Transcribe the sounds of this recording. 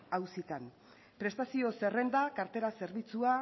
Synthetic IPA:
awsit̪an | pɾe̞st̪asio̞se̞re̞nd̪akaɾt̪e̞ɾase̞ɾβit͡sua

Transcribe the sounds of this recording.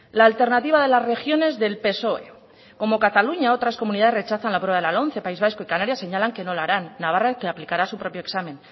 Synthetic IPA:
laːlt̪e̞ɾnat̪iβað̞e̞lazre̞xjo̞ne̞zðe̞lpe̞so̞e̞̰ | ko̞mo̞kat̪aluɲao̞t̪ɾasko̞mũniðað̞zre̞t͡ʃaθanlapɾe̞βaðelalo̞nθe̞paizβ̞ajsko̞ikanaɾjase̞ɲalaŋke̞no̞laɾanːaβ̞arakeaplikaɾasupɾo̞pjo̞eksamẽ̞n

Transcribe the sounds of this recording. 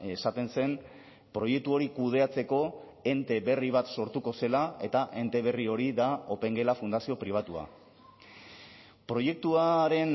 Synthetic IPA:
esat̪e̞nse̞m | pɾo̞je̞k̚t̪uo̞ɾikuð̞e̞at͡se̞ko̞ | e̞nt̪e̞βe̞riβ̞at̪so̞ɾt̪uko̞se̞lae̞t̪aʔe̞nt̪e̞β̞e̞rio̞ɾiðao̞pe̞ŋɡe̞lafund̪asio̞pɾiβ̞at̪ua̰ | pɾo̞je̞k̚t̪uaɾe̞n

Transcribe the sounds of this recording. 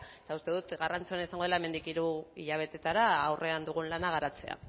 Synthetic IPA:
e̥t̪aust̪e̞ðut̪ɣarant͡soanisaŋɡo̞elaeme̞nd̪ikiɾuiʎaβ̞e̞t̪e̞t̪aɾaːwre̞and̪uɣ̞unlanaɣ̞aɾat͡se̞a̰

